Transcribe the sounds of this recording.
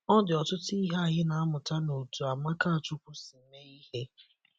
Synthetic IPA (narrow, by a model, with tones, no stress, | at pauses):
ɔ˦dɪ˨ɔ˨tʊ˦ti˦ɦa˦a˨ɦɪ˦na˨a˦mʊ˨ta˦no˨tu˨a˨ma˦ka˦a˨t͡ʃʊ˦kʷu˦si˨m̩˦me˦i˦ɦe˦